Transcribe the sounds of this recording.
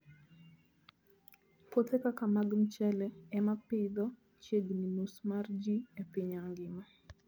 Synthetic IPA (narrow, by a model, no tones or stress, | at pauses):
pot̪ekakamaɡm̩t͡ʃɛlɛɛmapɪd̪ɔ | t͡ʃeɡninusmard͡ʒiepɪɲaŋɡɪma